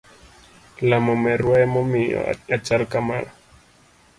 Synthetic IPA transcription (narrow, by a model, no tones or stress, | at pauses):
lamomɛɾuaɛmomio̰at͡ʃalkamala